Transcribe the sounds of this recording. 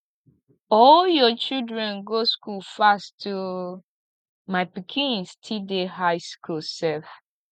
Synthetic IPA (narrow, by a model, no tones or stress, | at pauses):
ɔljɔt͡ʃidɹɛ̃nɡoskulfastʰu | maɪpikʰĩnstʰidehaɪskʰulsɛv